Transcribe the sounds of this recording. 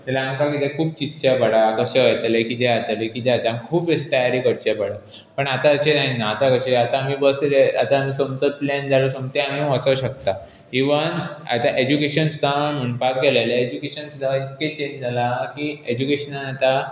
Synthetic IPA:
t̪ɛlaamkakit̪ẽkʰuːp̚t͡ɕit̪ːɕapəɽakəɕaʋat̪alekit̪eat̪alekit̪eat̪aamikʰuːpəɕit̪əjaɾiːkəɽt͡ɕapəɽa | pəɳat̪aəɕenaɦinaːt̪akəɕeat̪ãːmiːbəsɾea̰t̪aːmisəmt̪ət̪̚plɛnd͡zʱalosəmt̪eamiʋat͡səʋɕəkt̪a | iʋana̰t̪aʔed͡ʑukeɕənst̪amunpakɡɛlalaed͡ʑukeɕənsud̪ʱaʋait̪ket͡ɕeɲd͡zalakied͡ʑukeɕənanat̪a

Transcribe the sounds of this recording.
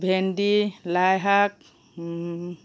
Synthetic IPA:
bʱendilajɦak̚

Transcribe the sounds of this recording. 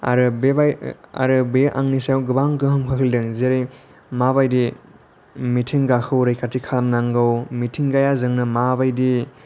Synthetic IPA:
a̰ɾɯbebaja̰ɾɯbeʔa̰ŋnisajwɡɯbaŋɡɯhɯmkʰɯkʰildɯŋzeɾej | maβajdi | mitʰiŋɡakʰɯwɾajkatikʰalmnaŋɡɯwmitʰiŋɡajazɯŋnɐmabajdi

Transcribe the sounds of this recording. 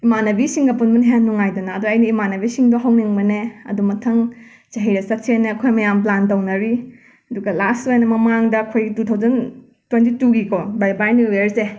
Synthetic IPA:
imanɐbisiŋɡɐpunbɐnɦenːuŋajdunɐːduɐjnɐimanɐbisiŋdoɦɐwniŋbɐneɐ̰dumɐtʰɐŋ | t͡ʃɐɦiɾɐsɐt̚senːeɐkʰojmɐjamp̬lantɐwnɐɾi | ɐduɡɐlastwenɐmɐmaŋdɐːkʰojɡitutʰawzɐn | twentituɡikobajbajnuweɾse

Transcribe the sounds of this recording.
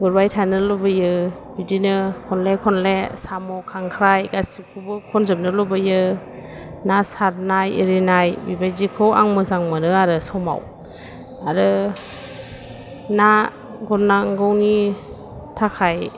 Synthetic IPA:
ɡuɾbajtʰanɯlɔbɯjɯ | bidinɯkʰɔnlekʰɔnlesamɔkʰaŋkʰɾajɡasikʰubɯkʰɔnzɯm̚nɯlɔbɯjɯ | nasaɾnajeɾinajbibajdikʰɯwa̰ŋmɯzaŋmɯnɯaɾɯsɔma̰w | aɾɯ | na | ɡɔɾnaŋɡɔwni | tʰakʰaj

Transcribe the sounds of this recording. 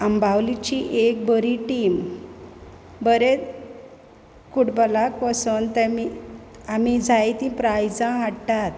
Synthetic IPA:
ambʱawlit͡ɕiʔek̚bəɾiʈim | bəɾe | kuɽbəlakpəsunt̪emi | amid͡zʱajt̪ĩpɾajd͡zãɦaɽt̪at̪̚

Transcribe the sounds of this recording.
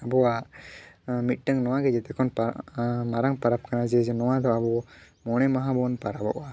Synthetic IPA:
abɔwa | mit̪̚ˀʈəŋnɔwaɡɛd͡ʒɛt̪ɛkʰɔnpamaɾaŋpaɾap̚kanad͡ʒɛd͡ʒɛnɔwad̪ɔabɔ | mɔɽ̃ɛmaɦabɔnpaɾabɔ̰ʔa

